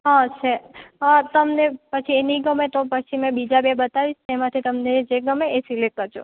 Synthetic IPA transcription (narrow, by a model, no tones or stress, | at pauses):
ɦãt͡ʃʰeət̪əmnepət͡ʃʰieniɡəmet̪opət͡ʃʰimɛ̃bid͡ʒabebət̪aʋit͡ʃʰt̪emãt̪ʰit̪əmned͡ʒeɡəmeesilekkːəɾd͡ʒʰo̰